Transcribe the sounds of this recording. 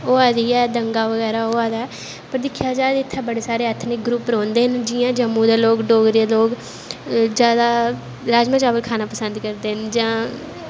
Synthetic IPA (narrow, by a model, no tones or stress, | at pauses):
oːaːd̪iːɛːd̪əŋɡaːʋəɡɛːɾaːoːaːd̪aːɛː | pəɾd̪ɪkʰjaːd͡ʒaːd̪ɪt̪ʰːãːbəɽeːsaːɾeːət̪ʰnɪk̚ɡɾuːpɾõːnd̪eːɦənd͡ʒɪjãːd͡ʒəmːũːd̪aːloːɡɖoːɡɾeːloːɡ | d͡ʒjaːd̪aː | ɾaːd͡ʒmãːt͡ʃaːʋəlkʰaːnaːpəsənd̪kəɾd̪eːənd͡ʒãː